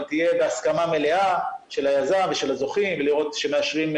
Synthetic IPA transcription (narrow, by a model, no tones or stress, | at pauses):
t̪ije̞be̞askamame̞le̞aʃe̞lajazaɱveʃe̞lazo̞χimveliʁo̞t̪ʃe̞meaʃʁim